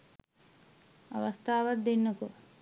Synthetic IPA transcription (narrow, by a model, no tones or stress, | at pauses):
ɐ̰ʋɐst̪ʰaːʋat̪̚d̪enːɐko